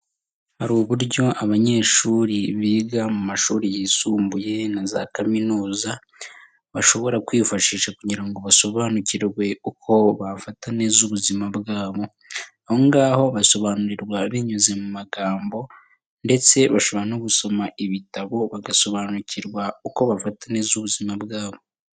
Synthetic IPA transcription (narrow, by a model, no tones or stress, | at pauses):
haɾuːβuɾɟo̞ʔaβaɲe̞ːʃuːɾiβiːɡamumaʃuːɾijisuːmbuje̞naza̰kaminuːza | βaʃo̞βo̞ɾakwiːfaʃiːʃakuɟiɾaŋɡo̞βaso̞βaːnuciɾwe̞ukʰo̞βafatane̞zuβuzimabɡaːβo̞ | ahoŋɡaho̞βaso̞βaːnuɾiɾɡwaβiɲuze̞mumaɡaːmbo̞ | nde̞t͡se̞βaʃoβanoɡuso̞maʔiβitaβo̞βaɡaso̞βaːnuciɾɡwauko̞βafatanezuβuzimabɡaːβo̞